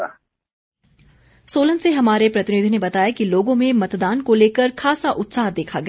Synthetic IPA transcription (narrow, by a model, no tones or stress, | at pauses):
soːlə̃nseɦɐmaːɾepɾɐt̪ɪnɪd̪ʱinebɐt̪aːjakiloːɡõmẽmɐt̪d̪aːnkoleːkəɾxʰaːsaʔʊt̪saːɦd̪eːkʰaɡɐ